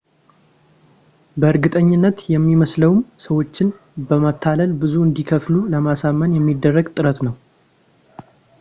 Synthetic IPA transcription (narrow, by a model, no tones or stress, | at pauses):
bəɨɾɡɨt̪ʼəɲːɪnːət̪jɛmːiməsləwmsəwo̞t͡ʃːɪn | bəmat̪ʰːaləlbɨzuɨnd̪ikʰəfluləmasamːənjɛmːid̪ːərːəɡt̪ʼɨɾət̪nəw